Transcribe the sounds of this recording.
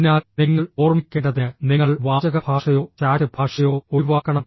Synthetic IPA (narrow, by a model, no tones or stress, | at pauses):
naːniŋːɐɭo̞ːrmikʲːeːɳɖɐðeniŋːɐɭʋaːd͡ʑɐɣɐbʱaːʂɐjo̞ːt͡ɕaːɾɐbʱaːʂɐjo̞ːoʋaːkːɐɳɐm